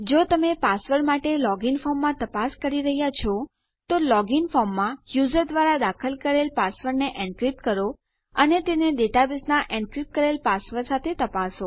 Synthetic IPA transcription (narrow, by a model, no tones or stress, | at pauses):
d͡ʒot̪əmepasʋəɾmaʈelɔɡiŋfɔmːãt̪əpaskəɾiɾəɦjat͡ʃʰɔ | t̪olɔɡɪŋfɔmːãjuzəɾd̪ʋaɾad̪akʰəlkəɾelpasʋəɾneʔɛ̃ɳɖkɾip̚kəɾo | ənet̪eneɖeʈabisnaʔɛ̃ɳɖkɾip̚kəɾelpasʋəɾsat̪ʰet̪əpaso